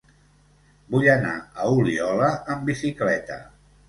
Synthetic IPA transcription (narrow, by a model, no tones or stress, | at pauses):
buʎəna̰əuliɔləəmbisiklɛt̪ə̰